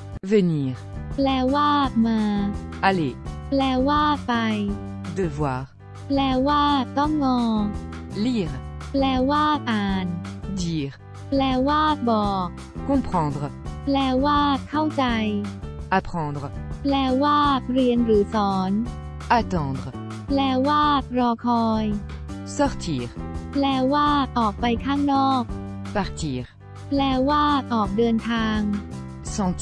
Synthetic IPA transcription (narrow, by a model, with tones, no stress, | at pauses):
vəniːʁ | plɛː˧waː˥˩maː˧aleplɛː˧waː˥˩pa˧j | d̪əvwaːʁ | plɛː˧waː˥˩t̪ɔ˥˩ŋːɔː˧liːʁplɛː˧waː˥˩paː˨˧nd̪iːʁ | plɛː˧waː˥˩bɔː˨˩k̚ | kɔ̃pχɑ̃d̪ʁplɛː˧waː˥˩kʰa˥˩wt͡ɕa˧japχɑ̃˧d̪ʁplɛː˧˥waː˥˩t̪̚ɾi˧ənɾɯː˩˦sɔː˩˦n | at̪ɑ̃˧d̪ʁ | plɛː˧˩waː˥˩t̪̚ɾɔː˧kʰɔː˧jsɔʁt̪ʰiːʁplɛː˧˥waː˥˩t̪ʔɔː˨˩k̚pa˧jkʰaː˥˩ŋnɔː˥˩k̚ | paʁt̪iː˧ʁ | plɛː˧˥waː˥˩t̪̚ʔɔː˨˩k̚dɤː˧nt̪ʰaː˧ŋ | sɑ̃˧